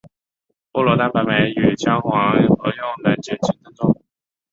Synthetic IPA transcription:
pu˥lɔ˧˥t̪a˥˧pa˧˩me˧˥ɪy˨˩t͡ɕjɑ˥ŋxwɑ˧˥xɤ˧˥jʊ˥˩ŋla˧˥nt͡ɕɛ˥˩t͡ɕʰi˧˥ŋt̪ə˥ŋt͡sʊ˥ŋ

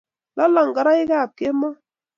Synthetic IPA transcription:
lɔ˦lɔ˨ŋ˨ɡa˨ɾa˦ɪ˦ka˦˨pe˦mɔ˦

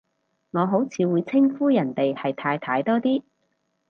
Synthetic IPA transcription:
ŋɔː˨˧ɦo˨˥wt͡sʰiː˨˧wuː˨˧jt͡sʰɪ˥ŋfuː˥jɐ˨˩nt̪e˨jhɐ˨jt̪ʰaː˧jt̪ʰaː˧jt̪ɔː˥t̪iː˥

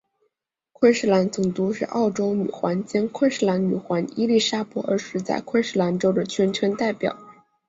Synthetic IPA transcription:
kʰwə˥nʂɻ̩˥˩la˧˥nt͡sʊ˨˩ŋt̪u˧˥ʂɻ̩˥˧ʔɑ̰˥˩ʊʈ͡ʂo˥ʊny̰˨˩xwa˧˥nt͡ɕjɛ˥nkʰwə˥nʂɻ̩˥˩la˧˥nny̰˨˩xwa˧˥ni˥li˥˩ʂa˥pwɔ˧˥ə˧˥ʂɻ̩˧˥t͡sa̰˥˧ɪkʰwə˥nʂɻ̩˥˩la˧˥nʈ͡ʂo˥ʊd̪ə˨t͡ɕʰɥɛ˧˥nʈ͡ʂʰə˧˥nt̪a˥˩ɪpjɑ̰˨˩˦

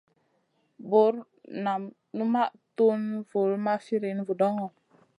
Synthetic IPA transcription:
bo˨˦ɾ | na˨m | nu˦ma˦ʔ | tu˦nvu˨lma˦fi˦ɾi˨˦n˦vu˨dɔ˦ŋɔ˨

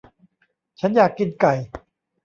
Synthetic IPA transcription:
t͡ɕʰa˦˥njaː˨˩kːi˧nka˨˩j

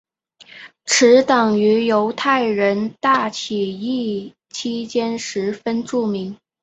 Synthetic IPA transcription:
ʈ͡ʂʰɻ̩˧˥t̪ɑ˨˩ŋy˧˥jo˧˥ʊt̪ʰa˥˩ɪɻə˧˥nt̪a˥˩t͡ɕʰi˨˩i˥˩ | t͡ɕʰi˥t͡ɕjɛ˥nʂɻ̩˧˥fə˥nʈ͡ʂu˥˩mi˧˥ŋ

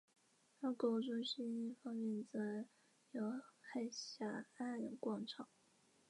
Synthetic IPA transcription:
a˥ko˥˩ʊʈ͡ʂo˥ɕi˥ni˥˩fɑ˥ŋmjɛ˥˧nt͡sa˥˩ɪ | jo˧˥xa˥˩ɪɕja˥˩a˥˩kwɑ˥˩ŋʈ͡ʂʰɑ˨˩˦ŋ

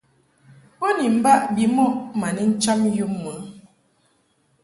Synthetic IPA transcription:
po˦ni˨m̩˦ba˦ʔbi˨˦mɔ˦ʔma˨ni˦n̩˦t͡ʃa˦m˦ju˦mːə˨˦

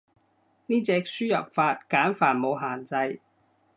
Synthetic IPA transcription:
niː˥t͡sɛː˧k̚syː˥jɐ̰˨p̚faː˧t̚kaː˨˥nfaː˨˩nmo˨˧wɦaː˨˩nt͡sɐ˧j

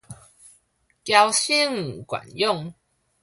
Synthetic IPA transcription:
kja˧wɕi˦ŋ̩˨kwa̰˨˩njʊ˥˨ŋ

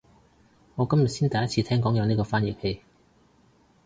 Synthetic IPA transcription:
ŋɔː˨˧kɐ˥mjɐ˨t̚siː˥nt̪ɐ˨˩jɐ˥t̚ʰiː˧t̪ʰɛː˥ŋkɔː˨˥ŋjœː˨˧niː˥kɔː˧faː˥nji˨˩p̚he˧j

